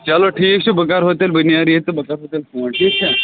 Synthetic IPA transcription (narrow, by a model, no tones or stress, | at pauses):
t͡ʃaloʈʰiːk̚t͡ʃʰubəkaɾɦot̪elbənjaɾiɦet̪ebɐkaɾɦoːt̪elkoːɳʈʰiːkt͡ʃʰa